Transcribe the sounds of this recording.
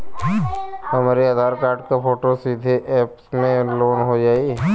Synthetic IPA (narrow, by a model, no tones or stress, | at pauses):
hɐmaːɾiaːd̪ʱaːɾkaːɾɖkapʰoːʈosiːd̪ʱeʔɛːpsmẽloːnɦod͡ʒaːi